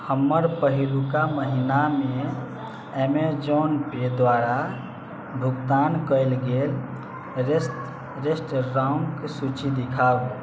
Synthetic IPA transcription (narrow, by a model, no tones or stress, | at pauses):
həmːəɾpəɦilukaməɦiname | emed͡ʒonped̪waɾa | bʱukt̪ankəɪlɡel | ɾesʈ | ɾesʈɾauŋksut͡ʃid̪ikʰau